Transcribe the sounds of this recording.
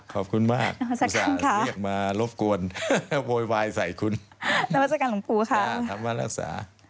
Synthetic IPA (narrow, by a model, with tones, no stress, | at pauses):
ɔː˨˩p̚kʰu˧nmaː˥˩k̚a˧a˥saː˧˩kaaː˨˧˦nkʰa˥˩ək̚maː˧lo˦˥p̚ku˧ənwoː˧jwaː˧jsa˨˩jkʰu˧nna˧wa˥t̚sa˧kaː˧nlu˩˦ŋpuː˧kʰa˥˩a˧maː˧˩ɾa˧˩k̚sa̰ː˩˦